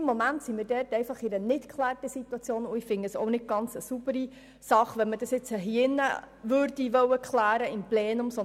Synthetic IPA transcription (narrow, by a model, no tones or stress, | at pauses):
mːomæntsimiːɾdɛrtɛɪfɑχɪɾənɪtkʰχlæːrtəsit̪wɑt͡sjoːnʊɪfɪŋəsɔ̰ʊnɪt̚ɡ̥ɑnt͡səsubəɾi | sɑχʋɛnmədɑsjɪt͡səɦiɪnːə̰ | ʋøɾd̥iʋœwəkχlæːɾəɪmplɛːnʊmsɔ